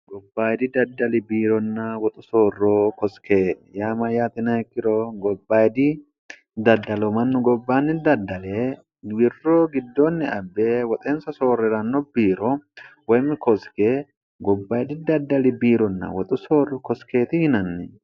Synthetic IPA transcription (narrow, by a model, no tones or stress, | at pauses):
ɡɔbːaːjd̪ɪd̪ɐd̪ːɐlɪbiːɾɔnːɐwɔt̪ʼʊsoːrːokɔskeːjaːmɐjaːt̪ɪnɐhɛkːɪɾoɡɔbːaːjd̪ɪ | d̪ɐd̪ːɐlɔmɐnːʊɡɔbːaːnːɪd̪ɐd̪ːɐleː | wɪrːoːɡɪd̪ːoːnːɪɐbːeːwɔt̪ʼeːnsɐso̞ːrːɛɾɐnːɔbiːɾɔwɐjmːɪkɔskeː | ɡɔbːaːjd̪ɪd̪ɐd̪ːɐlɪbiːɾɔnːɐ̰wɔt̪ʼʊsoːrːɔkɔske̞ːt̪ɪhɪnɐnːɪ